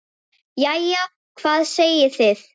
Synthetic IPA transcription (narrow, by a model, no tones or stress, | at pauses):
jaja | kʰvaːðsejɪθɪð